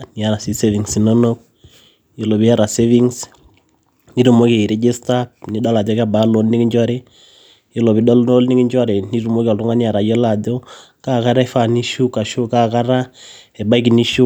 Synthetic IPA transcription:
ni˨ja˨ɾa˨si˨se˦vi˨ŋsi˨no˦no˦k̚ | jo˨lo˨bi˦ja˦ɾa˨se˦vi˦ŋs | ni˦ɾu˨mo˦ke˨i˨ɾe˦d͡ʒe˦sta˦ni˨˦ɗɔ˦la˨dɔ˦ka˦˨ba˨˦lo˨˦lni˦ki˦ɲd͡ʒɔ˦ɾe˦ | jo˦˨lo˨bi˨˦ɗɔ˦lo˦lni˦ki˦d͡ʒɔ˦ɾe˨ni˦ɾu˨mo˦ki˦ɔ˨ltʊ˦ŋa˦ni˦ja˨ɾa˨jɔ˦la˨do˦ | ka˦ka˦ɾa˦ɛ˦fa˨ni˦ʃu˦ka˨ʃo˦ka˦ka˦ɾa˦ɛ˨ba˦i˦ki˨ni˦ʃu˦

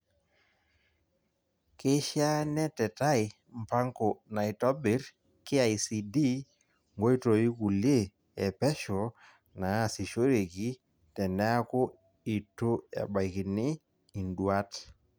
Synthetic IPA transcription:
kɪ˦ʃja˦nɛ˦tɛ˨ta˦ɪ˨ | m̩˨pa˦ŋko˨na˨i˨tɔ˦bɪ˨ɾ | kɪ˦a˨jsi˨di˦ | ŋɡo˦i˦to˨i˦ku˨le˦ | ɛ˨pɛ˦ʃɔ˨ | na˨si˨ʃo˦ɾe˨ki˦ | tɛ˨nɛ˦a˦ko˦ | i˨to˦ɛ̰˨ba˨ki˨nɪ˦ | i˨ndwa˦t

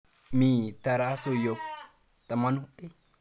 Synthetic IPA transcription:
mi˨t̪a˨ɾa˦so˨jo˨ | t̪ʼɐ˨ma˦nʊ˦ʔi˦

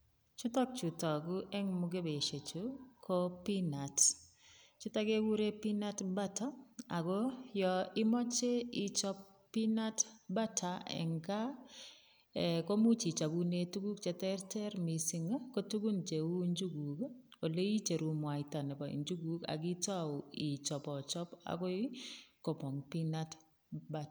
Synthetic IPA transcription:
t͡ʃu˦tɔ˦k̚t͡ʃu˨tɔ˨ɡu˦ʔɛ˦ŋmʊ˨ɡe˦be˨ʃe˨t͡ʃu˦kʰo˦pi˦na˨t | t͡ʃu˦ta˦ɡe˦wu˦ɾe˦pi˦na˦tba˦tɔ˦a˨ɡo˦jɔ˨ɪ˦mɔ˦t͡ʃe˦ɪ˦t͡ʃɔ˦ | pi˦na˦tba˦tʰa˨ɛ̰˨ŋka˦ | ɛ˨ko˦mu˦t͡ʃi˨t͡ʃa˨ɡu˦ne˦tu˦ɡu˦k̚t͡ʃɛ˨tɛ˦rtɛ˦ɾmi˨si˦ŋ˦ko˦tu˦ɡu˦nt͡ʃe˨wu˦ɲd͡ʒu˦ɡu˨ko˨le˦i˦t͡ʃe˨ɾu˨mwa˨ita˨nɛ˨pa˨ḭ˨ɲd͡ʒu˦ɡu˨ka̰˨ɡɪ˦ta˦ʊ˨i˨t͡ʃɔ˨pɔ˨t͡ʃɔ˦pa̰˨kɔ˦ɪ˦kɔ˨pɔ˨ŋpi˦na˦t | ba˨t

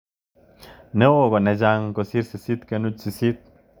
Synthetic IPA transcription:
ne˦wo˦ɡo˨ne˨d͡ʒa˦˧ŋko˨si˦ɾsi˨si˦t̪ke˧nu˦t͡ʃsi˧˨si˦t̪̚

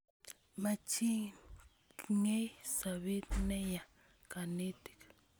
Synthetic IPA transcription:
ma˨t͡ʃʰi˦ | ŋe˦jsa˨βi˦t̪ne˦ja˨ | ka˨ne˦t̪i̥˨k

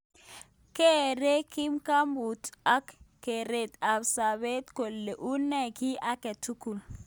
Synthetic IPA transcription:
ke˦ɾe˦ki˦mka˦mbu˨ta˦kkːe˨ɾe˨ta˨bsa˨βe˦t̪ko˨lːe˨ʔu˦nːɛ˦ki˦ʔa˦ke˨tʰu˦ku˨l

